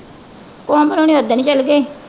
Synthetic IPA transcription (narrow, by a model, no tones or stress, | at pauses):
kɔ̃ːmbənõːñiːod̪aːnĩːt͡ʃəlɡeː